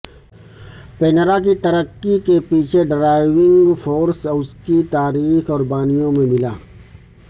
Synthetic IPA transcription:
penɾak̬it̪ɐɾəkːikepiːt͡ʃʰeɖɾaːɪʋɪ̃ŋɡfoːɾsʊskit̪aːɾiːxɔːɾbaːnijõmẽmɪla̰ː

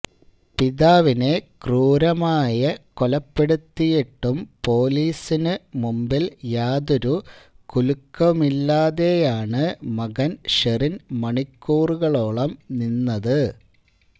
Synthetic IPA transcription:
piðaːʋinekruːɾɐmaːjɐkolɐpːe̞ɽut̪ːijeʈːumpo̞ːliːsinɨmumbiljaːd̪uɾu | kulukːɐmilːaːðe̞jaːɳɨmɐɣɐnʂerinmɐɳikːuːruɣɐɭo̞ːɭɐmninːɐðɨ

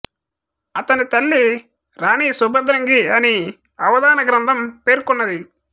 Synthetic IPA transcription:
ɐt̪ɐnit̪ɐlːi | ɾaːniːsubɐd̪ɾɐŋɡiɐni | ɐʋɐd̪aːnɐɡɾɐnd̪ʱɐmpe̞ːɾkunːɐd̪i

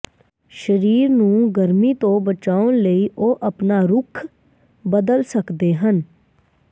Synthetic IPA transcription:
ʃəɾiːɾnũːɡəɾmiːt̪õːbət͡ʃaːʊnləiːʔoːʔəpnaːɾʊkʰ | bəd̪əlsəkd̪eːɦən

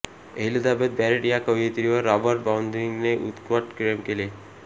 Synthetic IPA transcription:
eɦlid̪abed̪̚bɛɾeʈijakəjet̪iɾiaɾabəɾʈ̚bawnd̪ɾiŋneʔṵt̪kwaʈkɾemkele

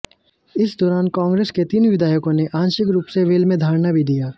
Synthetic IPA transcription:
ɪsd̪ɔːɾaːnkãːŋɡɾeːsket̪iːnʋɪd̪ʱaːjkõneʔãːnʃɪkɾuːpseʋeːlmẽd̪ʱaːɾnabʱid̪ijaː

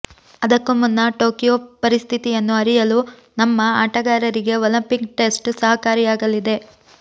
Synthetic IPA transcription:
ɐd̪ɐkːumunːɐʈo̞ːkijopɐɾist̪ʰit̪ijɐnːuɐɾijɐlu | nɐmːɐaːʈɐɡaːɾɐɾiɡe̞ɔlɐmpikʈe̞sʈsɐɦɐkaːɾijaːɡɐlid̪e̞

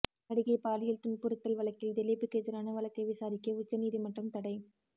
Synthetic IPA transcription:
ɐɽɪɣɐɪpaːlɪjɪlt̪ʊɳpɯɾɯt̪ːɐlʋɐɭɐkːɪld̪ɛlɪpɯked͡ʒɐɾaːnɐʋɐɭɐkːɐɪʋɪsaːɾɪkːɐʊt͡ʃːɐniːðimɐʈrɯmt̪ɐɽɐɪ

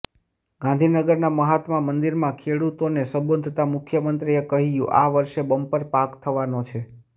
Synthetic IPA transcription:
ɡãnd̪ʱinəɡəɾnaməɦat̪mãmənd̪iɾmãkʰeɽut̪onesə̃mbənd̪ʱt̪amʊkʰjəmənt̪ɾiekəɦijũʔaʋəɾʃebəmpəɾpakt̪ʰəʋanot͡ʃʰe

